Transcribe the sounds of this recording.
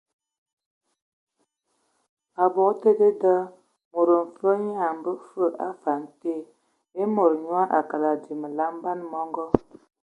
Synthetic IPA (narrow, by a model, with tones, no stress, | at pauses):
a˨bɔ˨˦te˦de˦də˦ | mo˨ɾə˨m̩˨fə˦ɲa˦a˨m̩˨bə˦fə˦˨ʔa˦fa˨n˨˦te˦˨ | e˦mo˨ɾɲwa˦ʔa˨ka˨la˨di˨mə˨la˦m˦ba˦n˦mɔ˦ŋɡɔ˦